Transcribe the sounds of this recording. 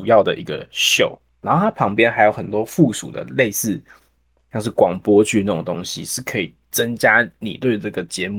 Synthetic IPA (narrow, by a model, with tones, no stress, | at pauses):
u˨˩jɑ˥˩ʊd̪ə̰˩ʔi˧˥ɡə̰˧ɕjo˨˩ʊnna˨˥nxo˥˩a˥pʰɑ˧˥ŋpjɛ˥nxa˧˥ɪjo˨˩ʊxə˨˩nt̪wɔ˥fu˥˨sṵ˨˩d̪ə̰˩le˥˧ɪsɹ̩˥˩ | ɕjɑ˥˧ŋʂ̬̩˥˩kwɑ˨˩ŋpwɔ˦t͡ɕʰy˥˧na˥˩o˨˩ŋt̪o˥ŋɕḭ˨˦ʂɻ̩˥˩kʰɤ˧˦˥i˨˩ | t͡sə˦ŋt͡ɕja˥nḭ˨˩t̪we˥˧y˧˩ʈ͡ʂɤ˥˩ɡə˩t͡ɕjɛ˧˦m˥